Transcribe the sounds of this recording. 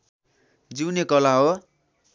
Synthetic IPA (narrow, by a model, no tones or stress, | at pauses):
d͡ziwnekʌlaɦo